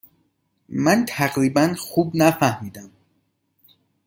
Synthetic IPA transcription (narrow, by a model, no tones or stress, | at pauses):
mænt̪ʰæʁɾibænxubnæfæhmiːd̪æm